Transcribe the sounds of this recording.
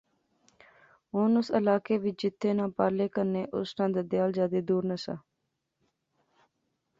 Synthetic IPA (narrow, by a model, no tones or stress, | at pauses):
ɦonʊsə̰laːkeːʋɪt͡ʃd͡ʒɪt̪ʰːeːnãːpaːɾleːkəɾneːʔʊ̰snãːd̪eːd̪ɪjaːld͡ʒjaːd̪eːd̪uːɾnəsa̰ː